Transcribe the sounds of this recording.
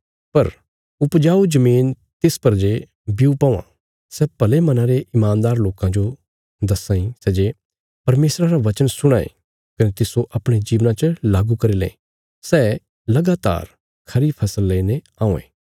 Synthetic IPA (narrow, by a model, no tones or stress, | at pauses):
pɐɾ | ʊpd͡ʒaːud͡ʒɐmiːn | t̪ɪspɐɾd͡ʒe | biupãːã̰ | sɛːpɐlemɐnãɾeʔɪmãːnd̪aːɾloːkãd͡ʒo | d̪ɐsãːĩsɛːd͡ʒe | pɐɾmeːsɾaɾaʋɐt͡ʃənsʊɽ̃aːḛ | kɐnet̪ɪsoʔɐpɽ̃ed͡ʒiːʋnãt͡ʃəlaːɡukɐɾilḛ̃ | sɛː | lɐɡaːt̪a̰ːɾ | kʰɐɾipʰɐsəlːeine | ãːũḛ̃ː